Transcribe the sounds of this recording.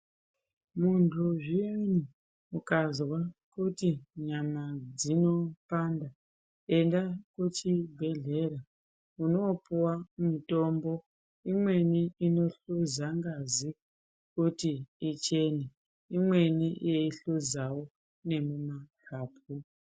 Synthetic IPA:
muntʰuʐienu | ukazwakutiɲamad͡zino̞panda | e̞ndakut͡ʃibʱe̞ɮe̞ɾa | uno̞puwamito̞ːmbo̞ | imwe̞niino̞ɬuzaŋɡazi | kutiit͡ʃe̞ne | imwe̞nijeiɬuzawo | ne̞mumakʰaːp̚ʰu

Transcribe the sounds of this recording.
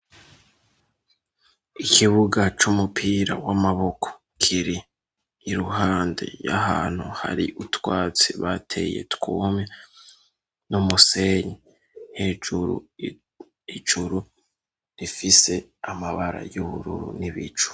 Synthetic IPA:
ikʰiβuɡat͡ʃumupʰiːɾa̰wamaβo̞kʰo̥ | kʰiɾiː | ɾuɦaːnde̞̰ja̰ɦaːn̥huha̰ɾiʔutwaːt͡siβatʰe̞̰je̞̰tkuːmɲe | numuse̞ɲe | nhe̞ːd͡ʒuɾṵ | id͡ʒuɾu | ɾifise̞amaβaɾa̰juβuɾṵɾṵniβḭt͡ʃu̥

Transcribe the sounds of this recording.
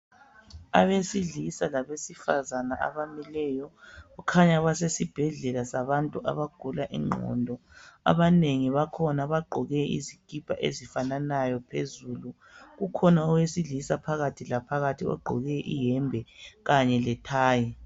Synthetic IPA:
a̰βesiɮisalaβesifa̰zanaʔa̰βamilɛjɔɣukʰaɲaβasesib̥ʱɛɮɛlasaβantʼuʔa̰βaɡ̥ʱulaʔḭŋ͡ǃʱɔ̰ndʱɔa̰βaneŋiβakʰɔnaβaɡ͡ǃʱɔɣɛḭziɡ̥ʱipʰa̰ʔḛzifananajɔpʰezuːlu | ɣukʰɔnaɔwesiɮisapʰaɣatʰilapʰaɣatʰiɔ̰ɡ͡ǃʱɔɣɛʔijɛmbʱɛɣaɲɛlɛtʰaːji

